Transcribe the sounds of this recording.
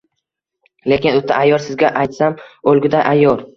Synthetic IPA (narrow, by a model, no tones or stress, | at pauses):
le̞kʲɪnʊt̪ʰːaʔajːɒɾsɪzɡʲaʔajt̪samolˠɡʲɪd̪aʔajːɒɾ